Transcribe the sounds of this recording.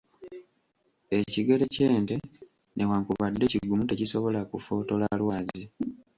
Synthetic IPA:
e̞ciɡe̞le̞ce̞ːnte̞ | nʔe̞waːŋkuβadːe̞ciɡumute̞cisoβo̞lakufo̞ːto̞lalwaːzi

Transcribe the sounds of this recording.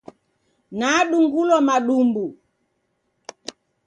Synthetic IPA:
naɗuŋɡulɔmaɗumbu

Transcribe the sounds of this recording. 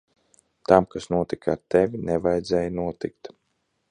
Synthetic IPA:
t̪amkasnuɔt̪ika̰ɾt̪ɛvʲinɛvajd̪zɛːjnuɔt̪ik̚t̪

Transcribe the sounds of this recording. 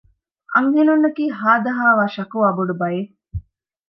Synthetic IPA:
ʔɐŋɦenunːɐkiːɦaːd̪ɐɦaːʋaːʃɐkuɐbuɖubɐje

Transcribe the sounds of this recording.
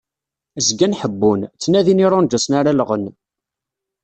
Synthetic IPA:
zɡænħəbːunt͡sːnæðiniɾˤʊnd͡ʒæsnaɾaləʁən

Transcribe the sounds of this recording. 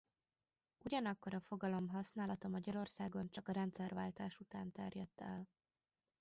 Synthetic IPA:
uɟɒnɒkːo̞ɾɒfo̞ɡɒlo̞mɦɒsnaːlɒt̪ɒmɒɟɒɾo̞rsaːɡo̞nt͡ʃɒkɒɾɛnt̪sɛrvaːlt̪aːʃut̪aːnt̪ɛrjɛt̪ːɛ̰l

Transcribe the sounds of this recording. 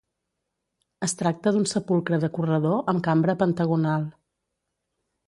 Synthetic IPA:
əst̪ɾak̚t̪əðunsəpulˠkɾəðəkurəð̞oʔəmkambɾəpənt̪əɣ̞unalˠ

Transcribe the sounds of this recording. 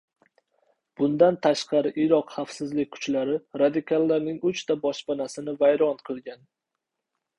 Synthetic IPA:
b̥ʊnd̪ant̪ʰaʃqʰɑɾɪʔɪɾɒqχafsɪzlɪk̚ʲkʰʊ̥t͡ʃlaɾɪɾad̪ɪkʰalˠːaɾnɪŋʊt͡ʃt̪ʰabɒʃpanasɪnɪvajɾɒnqʰɨlˠɡʲan

